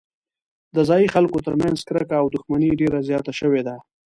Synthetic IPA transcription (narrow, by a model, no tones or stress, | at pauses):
d̪əzɑjixalkot̪əɾmanzkɾəkaːwd̪ʊxmaniɖeɾazjɑt̪aʃəwed̪a